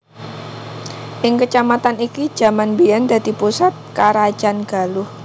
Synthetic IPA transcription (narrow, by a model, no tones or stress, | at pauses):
ʔɪŋkət͡ʃamat̪aniki̥d͡ʒ̥a̤manbijand̪a̤d̪̥i̤pusat̪̚kaɾḁd͡ʒ̥anɡ̥a̤lʊh